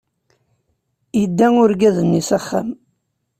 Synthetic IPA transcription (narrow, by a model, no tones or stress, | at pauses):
əd̪ːæŋʊɾɡæðənːisæχːa̰m